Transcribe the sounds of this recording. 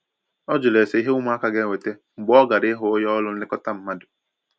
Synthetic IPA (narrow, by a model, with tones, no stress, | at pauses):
ɔ˦d͡ʒʊ˨le˨se˨˦i˦ɦe˦ʊ˦m˦a˦ka˦ɡe˦˨ŋʷe˨te˦ŋ͡m̩˨ɡ͡bɔ˦ɡa˨ɾɪ˦ɦʊ˦jɔ˦lʊ˦n̩˦ɪ˦kɔ˦ta˦m̩˦ma˦dʊ̥˨